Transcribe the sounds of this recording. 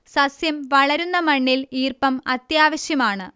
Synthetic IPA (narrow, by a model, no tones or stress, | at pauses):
sɐsjɐmʋɐɭɐɾunːɐmɐɳːiliːrpɐmɐt̪jaːʋɐɕjɐmaːɳɨ